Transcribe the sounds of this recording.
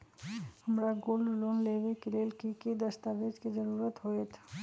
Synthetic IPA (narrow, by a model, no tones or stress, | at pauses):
həmɾaɡollonlebekiɾelkikid̪əst̪abed͡ʒkid͡ʒəɾuɾət̪ɦoet̪ʰ